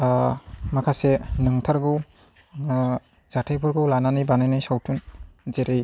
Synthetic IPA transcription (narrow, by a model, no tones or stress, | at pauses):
makʰasenɯŋtʰaɾɡɯw | z̥atʰejpʰuɾɡɯwlananibanajnɯjsawtʰunzeɾej